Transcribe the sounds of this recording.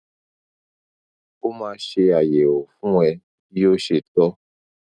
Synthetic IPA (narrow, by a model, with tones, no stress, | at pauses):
o˦mãː˧ʃe˧a˨je˨o˨fũ˦ɛ˧ | i˦o˦ʃe˧t̪ɔ˦